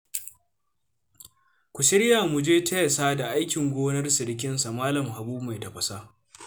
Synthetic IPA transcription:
kʷu˨ʃɪ˦ɽjaː˨mʊ˨d͡ʒeː˦tʰɐ˦jɐ˨saː˦da˨ʔa˦jkʲɪ˨ŋɡʷoː˦nɐ˦rsɪ˨ɾk̬ʲɪ˦nsa˨maː˦lɐ˨mɦa˨buː˦bma˨jtɐ˨ɸɐ˨sa˦

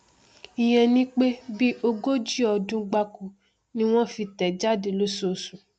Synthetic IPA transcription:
i˨j̃ɛ̃˧nĩ˦k͡pe˦bi˦o˧ɡo˦d͡ʒi˦ɔ˧dũ˧˦ɡ͡ba˧ku˨ | nĩ˦w̃ɔ̃˦fi˧tɛ˨d͡ʒa˦de˧lo˦so˨sũ˨

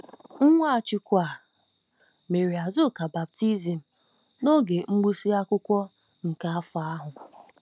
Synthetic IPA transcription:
ŋ̩˦ŋʷa˦a˨t͡ʃɪ˨kʷa˨ | me˨ɾi˨a˨zʊ˦˨ka˨ba˨b̚ti˦zi˨m̩˨ | no˦ɡe˨ŋ͡m̩˦ɡ͡bu˦si˦ɾa˦kʷʊ˦kʷɔ˦ | ŋ̩˨ka˨a˦fa˨a˦ɦʊ˨

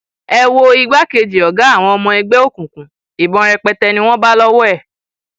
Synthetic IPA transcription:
ɛ˧wo˧i˧ɡ͡ba˦ke˧d͡ʒi˨ɔ˨ɡa˨˦a˦˨w̃ɔ̃˧ɔ˧mɔ̃˧ɛ˧ɡ͡bɛ˦o˦˨kũ˨kũ˨˦ | i˨bɔ̃˨˧ɾɛ˧k͡pɛ˧tɛ˧nĩ˧w̃ɔ̃˦ba˦lɔ˦wɔ˦ɛ˦˨

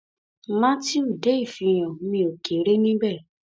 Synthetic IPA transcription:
mã˦ti˦u˨de˦i˦˨fi˧j̃ɔ̃˨mĩ˧˦o˨ke˨˦ɾe˦nĩ˦bɛ˦˨

